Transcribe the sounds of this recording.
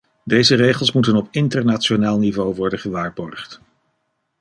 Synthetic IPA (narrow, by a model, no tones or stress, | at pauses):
dejzərejχəlˠsmutənɔpɪntəɹnatt͡ʃonaːlˠnivowʋɔɹdənχəʋaːɹbɔɹχt